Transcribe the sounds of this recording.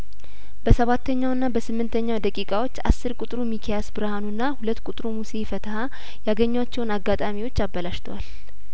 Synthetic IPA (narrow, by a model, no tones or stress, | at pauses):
bəsəβat̪ʰːəɲːawɨnːabəsɨmːɨnt̪ʰəɲːawd̪əkʼikʼawo̞t͡ʃːa̰sːɨɾkʼut̪ʼɾumikʰejasbɨɾəhanunːahulət̪ːkʷʼut̪ʼɾumuse̞fət̪ʰəha | jaɡəɲːwat͡ʃːɛwnaɡːat̪ʼamiwo̞t͡ʃːaβːəlaʃt̪ʰəwal